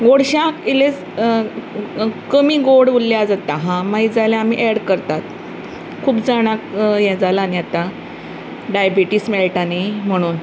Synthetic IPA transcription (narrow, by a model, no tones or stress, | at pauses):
ɡoɽɕãkiles | kəmiːɡoɽʋulːjad͡zat̪aɦãmaid͡zaljãam̤iʔɛɽkəɾt̪at̪ | kʰuːpd͡zaɽ̃akjɛd͡zalaniat̪a | ɖajabiʈismeɭeʈanim̤əɽ̃uːn